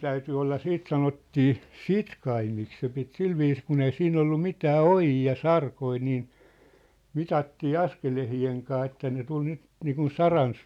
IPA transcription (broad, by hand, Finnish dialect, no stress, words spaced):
tæyty olːɑ siːt sɑnotːiː sitkɑimik se pit silʋiːs kun ei siːn olːu mitæː ojiː jɑ sɑrkoi niː mitɑtːiː ɑskelehieŋ kɑː etːæ ne tul nyt niːkun sɑrɑn